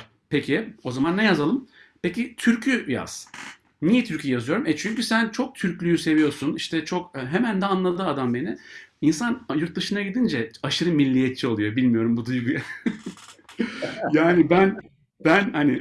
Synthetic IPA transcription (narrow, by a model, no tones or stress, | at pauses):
pecʰio̞zamanːɛjazalˠɯmpʰe̞cit̪ʰyɾcʰyja̰z̥ | nijɛt̪ʰyɾcʰyjɛjazɯjo̞ɾumɛt͡ʃʰyɲcysænt͡ʃʰo̞k̚t̪ʰyɾcʲlʲyjyse̞vijo̞ɾsuniʃt̪ʰɛt͡ʃʰo̞kɦemænd̪ɛanlˠad̪ɯad̪ambe̞nɪinsanjuɾt̪̚d̪ɯʃɯnaɟid̪ind͡ʒɛaʃɯɾɯmilʲːijɛt̪̚t͡ʃʰio̞lˠujo̞bilʲmijo̞ɾumbud̪ujɡuja | jaːnibæn | b̥ænhanɪ